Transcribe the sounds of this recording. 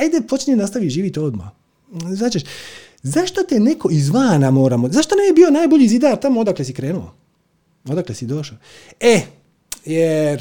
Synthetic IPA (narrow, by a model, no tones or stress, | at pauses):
ajd̪epot͡ʃninast̪aʋiʒiːʋit̪o̞d̪ma̰ | znaːt͡ʃeʃ | zaʃt̪ot̪enekʰo̞izʋaːnamo̞ːɾamozaʃt̪onamjebiːo̞naːjboʎizid̪aɾt̪amood̪aklesikɾeːnuo̰ | od̪aklesid̪o̞ʃa | e | jeɾ